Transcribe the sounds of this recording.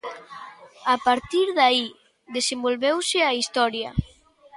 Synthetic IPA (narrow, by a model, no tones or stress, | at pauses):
apaɾt̪iɾðai | ðesembolβewsɪaist̪ɔɾja̰